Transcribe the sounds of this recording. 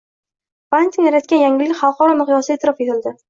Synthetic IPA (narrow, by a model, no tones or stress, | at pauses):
b̥ant̪ʰʲinjaɾat̪kʲanjaŋʲɪlːɪkʲχɑlˠqɒɾɒmɨχjɒsɪet̪ʰɪɾɒfet̪ʰɪld̪ɪ